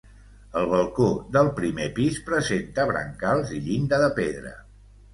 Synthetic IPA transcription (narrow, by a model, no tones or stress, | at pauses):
əlˠβ̞əlˠkoðəlˠpɾimepispɾəzent̪əβɾə̰ŋkalˠziʎind̪əðəpeðɾə̰